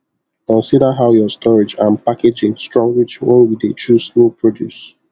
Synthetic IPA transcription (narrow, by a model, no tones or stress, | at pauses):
kɔ̃nsidəɦaʊjɔstʰɔɹed͡ʒãnpaked͡ʒɪ̃ŋstɹɔ̃ŋɡɹit͡ʃwɛ̰̃nwidet͡ʃusnopʰɹɔdjṵs